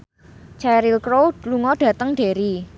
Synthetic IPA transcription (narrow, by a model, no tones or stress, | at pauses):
t͡ʃɛɾilkɾoluŋɔɖ̥ä̤t̪əŋɖ̥e̤ɾi